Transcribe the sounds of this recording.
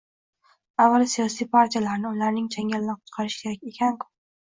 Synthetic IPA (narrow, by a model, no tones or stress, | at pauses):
avːalˠsijɒsijpʰaɾt̪ʰijalaɾnɪʊlaɾnɪŋt͡ʃʰaŋʲalːaɾqʰʊ̥t̪qʰɑɾɪʃkʲʰe̞ɾakʲe̞kʲʰankʰʊ̥p